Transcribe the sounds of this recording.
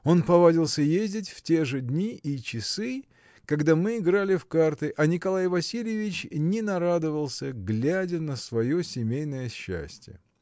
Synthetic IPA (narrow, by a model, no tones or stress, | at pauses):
o̞npɐvadʲilˠsʲəjezʲdʲɪtʲftʲe̞ʐɨdʲnʲiʔit͡ɕɪsɨ | kɐɡd̪amɨɪɡɾalʲɪfkart̪ɨʔɐnʲɪkɐlˠajvɐsʲilʲɪjɪvʲɪt͡ɕnʲɪnɐɾad̪ɨvəlˠsʲəɡlʲædʲənəsvɐjosʲɪmʲejnəjəɕːæ̰sʲtʲjə̰